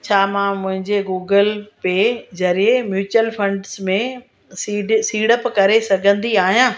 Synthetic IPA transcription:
t͡ɕʰaːmãːmʊ̃ɦɪ̃ɲd͡ʑeɡuːɡəlpezɐɾiemjuːt͡ɕəlfʰɐ̃ɳɖsmẽ | siːɖsiːɽəpkɐɾesɐɡʱə̃nd̪iaːɦijãː

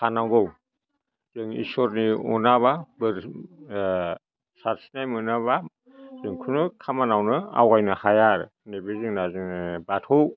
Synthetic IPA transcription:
kʰanawɡɔw | z̥ɯŋḭsɔɾniɔ̰naβabɯɾ | saɾsinajmɯnaβa | zɯŋkʰunɯkʰamanawnɯa̰wajnɯhajaɾ | nebezɯŋnazɯŋnɯbatʰɔ

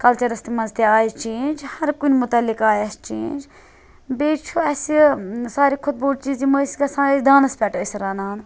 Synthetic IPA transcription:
kɐlt͡ʃɐɾɐst̪imɐnzt̪iaːjit͡ʃeːnd͡ʒhɐɾkunʲmʊt̪ɐlːikaːjɐst͡ʃḛːnʲd͡ʒ | beːt͡ʃʰuɐsisaːɾikʰʊt̪̚boːʈt͡ʃiːziməskɐsãːid̪aːnɐspʲɛʈɐsʲɾɐːnaːn

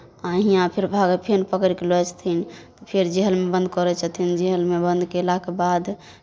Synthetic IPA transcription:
aɦijãpʰeɾbʱaɡəpʰenpəkɾikelɔt͡ʃʰt̪ʰint̪ɔpʰeɾd͡ʒiɦəlmebənd̪kɔɾɛt͡ʃʰət̪ʰind͡ʒiɦəlmebənd̪kelakebad̪

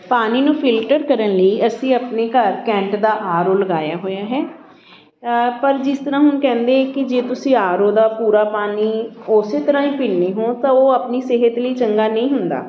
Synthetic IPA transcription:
paːniːnũːpʰɪlʈəɾkəɾənləiːəsĩːəpneːkəɾkɛ̃ːɳʈd̪aːʔaːɾoːləɡaːjaːɦoːjaːɦɛː | pəɾd͡ʒɪst̪əɾãːɦʊnkɛ̃ːnd̪eːɛːkɪd͡ʒeːt̪ʊsĩːaːɾoːd̪aːpuːɾaːpaːniːoːseːt̪əɾãːĩːpiːnneːɦõːt̪ãːoːəpniːseːɦət̪ləiːt͡ʃəŋɡaːnəĩːɦʊnd̪a̰ː

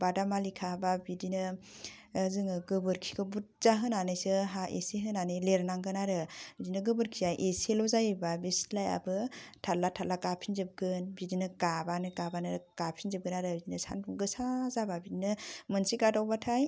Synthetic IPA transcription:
badamalikʰababidinɯ | zɯŋɯɡɯbɯɾkʰi̥kʰɯbut̚z̥aɦɯnanɯjsɯɦaʔḛseɦɯnanɯjleɾnaŋɡɯnaɾɯbidinɯɡɯbɯɾkʰizajʔeselɔzajbabeslaja̰bɯtʰalːatʰalakapʰinzɯp̚ɡɯnbidinɯkabanɯkabanɯɾkapʰinzɯp̚ɡɯnaɾɯbidinɯsa̰npʰuŋɡɯsazababidinɯmɯnsiɡadawbatʰaj

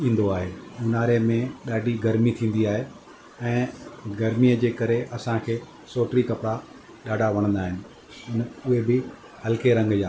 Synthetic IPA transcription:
ĩːn̆d̪oaːɦeːʊnaːɾemẽɗaːɖʱiɡɐɾmit̪ʰĩːn̆d̪iaːɦe | ɛ̃ːɡɐɾmiəd͡ʑeːkɐɾeʔɐsãkʰeː | soːʈɾikɐpɽa | ɗaːɖʱaʋɐɽ̃ə̃nd̪aːɦɪnɪ̆ | ʊnʊɦebɪ | hɐlkeɾɐ̃ŋɡjaː

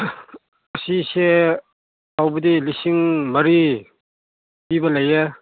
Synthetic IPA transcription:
ɐsise | awbɐdilisiŋmɐɾi | pibɐlɐjɐ

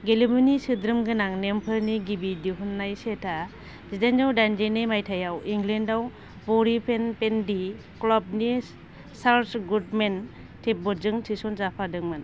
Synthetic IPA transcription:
ɡelimunisɯdɾɯmɡɯnaŋnempʰɯɾniɡibidiɦunːajsetʰa | zidanzawdand͡ʒenimajtʰajawiŋɡlendaw | bɔɾipʰenpendi | klɔb̚ni | sawtʰɡut̚men | tʰip̚bɔɾzɯŋtʰisɔnzapʰadɯŋmɯn

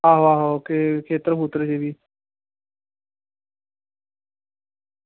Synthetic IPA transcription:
aːɦoaːɦokekʰeːt̪əɾbuːt̪ɾd͡ʒeːʋiː

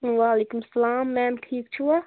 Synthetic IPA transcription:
ʋaːleːkumsɐlaːmːɛ̃ːmʈʰiːk̚t͡ʃʰua

